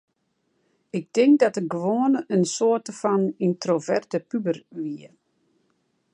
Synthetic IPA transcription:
ɪk̚dɪŋk̚dɔtəɡəʋoənəənsoətəfɔnintrovɛrtəpybərʋiə

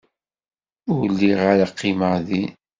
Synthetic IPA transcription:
ʊɾlːiʁaɾaqːiməðin

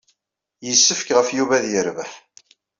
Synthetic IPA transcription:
jəsːəfkʁəfjuvæðjəɾvəħ

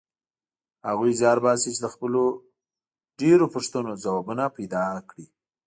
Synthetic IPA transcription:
haɣujzɑɾbɑsit͡ʃed̪əxpəlo | ɖeɾopəʂt̪ənozawɑbunapajd̪ɑkɽi

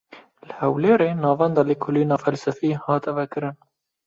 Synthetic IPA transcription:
lhɛwleːɾeːnɑːvɛnd̪ɑːliːkʰoliːnɑːfɛlsɛfiːhɑːt̪ɛvɛkɨɾɨn

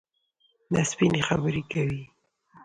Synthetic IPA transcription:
naspinexabəɾikawi

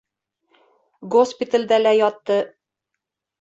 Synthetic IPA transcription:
ɡospʲit̪əlʲd̪ælæjɒt̪ːɤ

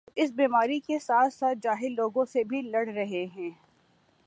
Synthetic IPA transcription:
ɪsbiːmaːɾikesaːt̪ʰsaːt̪̚d͡ʒaːɦɪlːoːɡõsebʱilɐɽ̤ɾɐɦeɦɛ̃ː

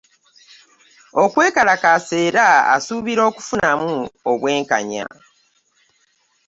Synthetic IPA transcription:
o̞kwe̞ːkalakase̞ːɾaa̰suːβiɾo̞ːku̥funamuoβwe̞ːŋka̰ɲa̰

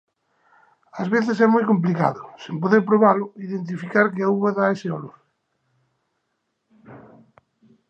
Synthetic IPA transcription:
azβeθɪs̬ɛmojkomp̬lika̰ðʊsempoðeɾpɾoβalʊiðent̪̬ifikaɾkɪauβaðaesɪɔlʊ

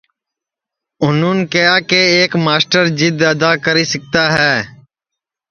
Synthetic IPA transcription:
ʊnuːnkəjaːkeːeːkmaːsʈəɾd͡ʒɪd̪əd̪aːkəɾiːsək̚t̪aːɦɛː

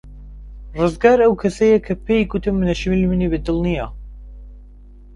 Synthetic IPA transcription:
rɨzɡaːɾɐwkʰɐsɐjɐkʰɐpʰejkut̪ʰɨmːɨnɐʃimilmɨnibɨd̪ɨlˠnija

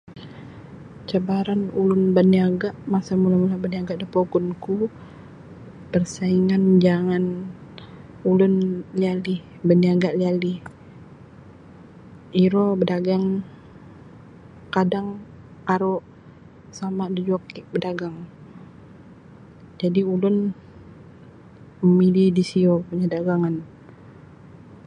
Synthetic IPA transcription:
t͡ʃabaɾanulʊnbəniaɡaʔmasamulamulabəniaɡaʔdəpoɡʊnku | pərsaiŋand͡ʒaŋan | ulʊnliali | bəniaɡaʔliali | iɾɔbədaɡaŋ | kadaŋ | aɾoʔ | samadəd͡ʒɔkiʔbədaɡaŋ | d͡ʒadiulʊn | məmilidisiɔpuɲadaɡaŋan

